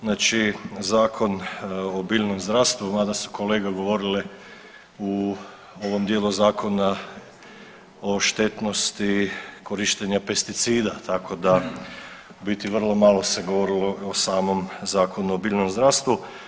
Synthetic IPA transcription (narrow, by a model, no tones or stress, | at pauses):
znaːt͡ʃizaːkʰo̞nobiːʎno̞mzd̪ɾast̪ʋumaːd̪asu̥ko̞leːɡaɡo̞ʋo̞ɾile | u | o̞ʋo̞md̪jeluzaːkʰo̞na | oʃt̪e̞t̪no̞st̪iko̞ɾiʃt̪eɲape̞st̪it̪siːd̪at̪akʰo̞d̪a | bit̪iʋr̩lˠo̞malˠo̞se̞ɡo̞ʋo̞ɾiloosaːmo̞mzaːkʰonuobiːlnomzd̪ɾast̪ʋu